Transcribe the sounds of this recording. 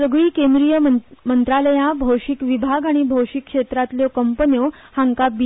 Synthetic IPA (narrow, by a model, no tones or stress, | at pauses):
səɡɭiːkẽnd̪ɾijəmənt̪ɾaləjãbʱowʂikʋibʱaɡaɽ̃ibʱowʂikːʂet̪ɾat̪ljɔkəmpənjohaŋkabi